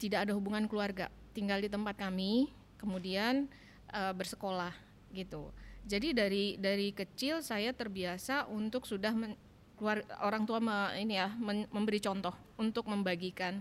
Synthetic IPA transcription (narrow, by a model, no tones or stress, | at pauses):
t̪idakadaɦubuŋankəluarɡa̰ | t̪iŋɡaldit̪əmpat̪̚kami | kəmudian | ʔəbərsə̥kolah | ɡit̪ud͡ʒadidaɾidaɾikət͡ʃɪlsajat̪ərbiasaʔunt̪ʊksudahmə | kəluaroɾaŋt̪uaməinijaməməmbəɾit͡ʃɔnt̪ɔh | unt̪ʊk̚məmbaɡikan